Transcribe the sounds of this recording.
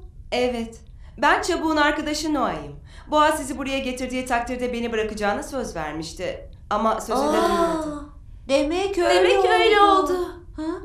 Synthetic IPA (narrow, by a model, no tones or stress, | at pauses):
ɛvɛt̪ | bænt͡ʃʰabuːnaɾkad̪aʃɯnuajɯm | boasizibuɾajaɟe̞t̪ʰiɾd̪iːt̪ʰak̚t̪iɾd̪ɛbe̞nibɯɾakɯd͡ʒaːnasø̞zvæ̰ɾmiʃt̪ʰɪ | amasøzʲeee | d̪emɛcød̪emɛøjlʲɛolˠd̪ʊ | ha